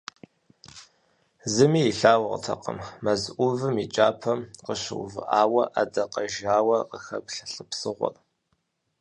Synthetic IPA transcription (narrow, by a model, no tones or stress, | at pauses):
zɨmiːiɬaːwɐʁətʰɐ̰qə̰mːɐzʔʷʊvɨmit͡ʃʼaːpʰɐmqəɕɪwʊ̰vɨ̰ʔaːwɐʔadɐqɐʒaːwɐqəxɐkʷɬɬʼəpsɨʁʷɔ̰r